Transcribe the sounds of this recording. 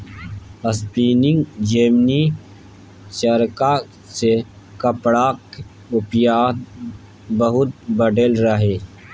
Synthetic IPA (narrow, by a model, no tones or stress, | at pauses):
ɐspiːnɪ̃ŋɡd͡ʒeːmni | t͡ʃɐɾka | se | kɐpɽaːk | ʊpjaːd̪̚ | bəɦʊt̪̚bɐɖelɾɐɦeː